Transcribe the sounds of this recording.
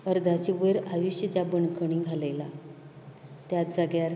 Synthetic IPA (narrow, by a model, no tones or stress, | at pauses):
əɾd̪ʱat͡ɕiʋəɾaʋiɕjət̪jabəɳkʰəɽ̃ĩːɡʱalajla̰ | t̪jat̪d͡zəɡjaɾ